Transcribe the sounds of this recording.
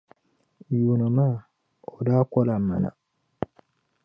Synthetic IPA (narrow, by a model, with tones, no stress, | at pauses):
ju˨no˨ma˦˨ | o˨da˦kɔ˦la˨mːa̰˨na̰˨